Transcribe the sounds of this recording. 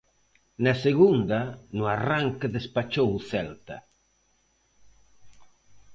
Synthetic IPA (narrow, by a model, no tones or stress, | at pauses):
naseɣund̪ɐnʊaraŋkeðespat͡ʃowθɛlt̪ɐ